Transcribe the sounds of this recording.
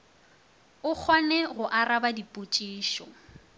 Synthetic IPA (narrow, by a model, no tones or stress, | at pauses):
ʊk͡xʰwanɛɣʊʔarabadipʼot͡ʃʼiːʃɔ